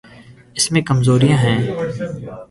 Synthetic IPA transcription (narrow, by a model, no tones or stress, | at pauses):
ɪsmẽkɐmzoːɾijãɦɛ̃ː